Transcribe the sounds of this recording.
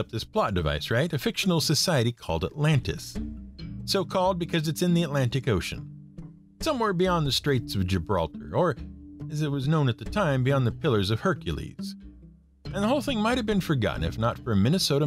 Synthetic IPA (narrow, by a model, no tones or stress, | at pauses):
ʌp̚ðɪspʰl̥ɑt̚d̥ɨva̰ɪsɹaɪɾɨfɪkʃn̩l̩ˠsɨsaɪɨɾikʰɔ̰lˠdə̰tˡlæ̃ntɨ̰sː | oʊkʰɔlˠd̚bɨkʰʌzɨtsɨ̃nðiɨtˡlæ̃ntɨkoʊʃɨ̰̃n | sʌ̃mwɛɹbiɑ̃nðɨstɹ̥eɪtsʌvd͡ʒɨbɹɑ̰lˠtʰə̰˞ə˞ɨzɨt̚wʌznõʊ̃nɨt̪̚ðɨtʰãɪ̃mbiɑ̃nðɨpʰɪlˠə˞zʌv̥hɜ˞kjɨlˠḭz̥ | ɨ̃nðəoʊlˠθɪ̃ŋmaɪt̚hɨvbɨ̃nfə˞ɡɑ̰ʔn̩ɨ̰fnətfə˞ɨmɪ̃nɨsoʊɾɨ